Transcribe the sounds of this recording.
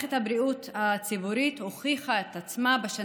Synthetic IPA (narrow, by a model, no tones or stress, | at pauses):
ethabɾiut̪hat͡sibuɾithoχiχaet̪at͡smabeʃa